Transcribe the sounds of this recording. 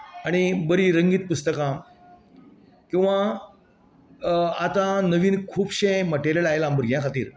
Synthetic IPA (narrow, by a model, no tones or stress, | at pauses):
aɽ̃ibəɾiːɾəŋɡiːt̪̚pust̪əkã | kĩw̃ʋa | at̪ãnəʋiːnkʰuːbɕẽməʈeɾjəlajelambəɾɡʱjãkʰat̪iːɾ